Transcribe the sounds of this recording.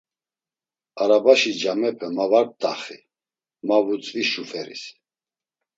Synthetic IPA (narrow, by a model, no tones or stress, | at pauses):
aɾabaʃid͡ʒamɛpʰɛmavaɾ̚t̪ʼa̰χi | mavut͡sʼviʃufɛɾḭs